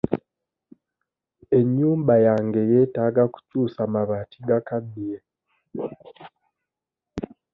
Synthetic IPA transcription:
e̞ɲːuːmbajaːŋɡe̞jetaɡaku̥cuːsamaβatiɡakabiɾe

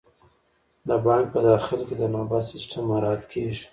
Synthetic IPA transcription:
d̪əbɑŋk̚pəd̪ɑxɪlked̪ənɑbad̪sɪsʈʰamːaɾɑt̪kʰeʒi̥

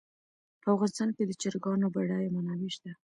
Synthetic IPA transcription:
pəafɣɑnɪst̪ɑnked̪ət͡ʃəɾɡɑnobaɽajmanɑwiʃt̪a

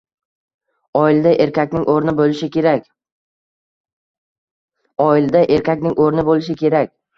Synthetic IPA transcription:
ɒɪld̪aʔeɾkʲʰakʲnɪŋʔoɾnɪbolɪʃɪkʲʰe̞ɾakʲ | ɒɪld̪aʔe̞ɾkʲakʲnɪŋʔoɾnɪbolɪʃ̬ɪkʲʰe̞ɾakʲ

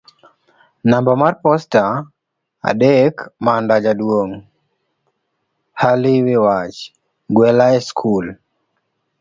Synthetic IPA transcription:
nambɔmarpɔsta | a̰dekmandad͡ʒadwoŋ | haliwɪwat͡ʃ | ɡwɛlaɛskʰul

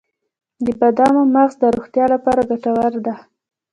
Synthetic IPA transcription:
d̪əbad̪ɑmomaɣzd̪əɾoxt̪jɑlapɑɾaɡaʈawaɾd̪a

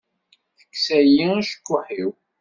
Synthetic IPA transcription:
θə̥kːsæjiæʃə̥kːʊħiw

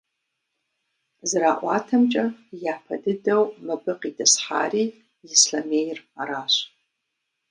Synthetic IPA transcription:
zɨraːʔʷɑːtʰɐmt͡ʃʼɐjaħpʰɐdɨdɐwmɐbɨqidʰɐsħa̰ːriː | jɪsɬɐmejraɾaːɕʷ

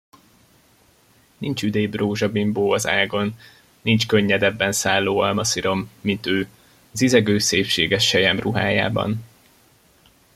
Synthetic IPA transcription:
nint͡ʃyd̪eːbroːʒɒbimboːɒzaːɡo̞nː | int͡ʃkøɲːɛd̪ɛbːɛnsaːlːoːɒlmɒsiɾo̞mːint̪øː | ɒzizɛɡøːseːpʃeːɡɛʃːɛjɛmruɦa̰ːja̰ːbɒ̰n

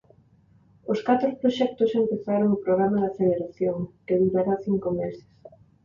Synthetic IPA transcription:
ʊskat̪ɾopɾoʃɛk̚t̪ʊsempeθaɾoŋopɾoɣ̞ɾamaðɐʃeðeɾaθjoŋkeðuɾaɾaθiŋkomesɪ̥s

